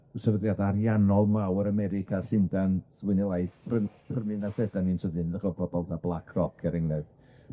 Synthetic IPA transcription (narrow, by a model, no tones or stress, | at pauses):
sɛvəðjadaɾjanɔlˠmawəɾamɛɾɪkʰasɪndanswɪnilˠajθb̥ən | b̥əmɨnasɛdaninsəðɨnðəχlɔbɔbɔlˠdablˠakʰrɔkʰɛɾɪŋnɨð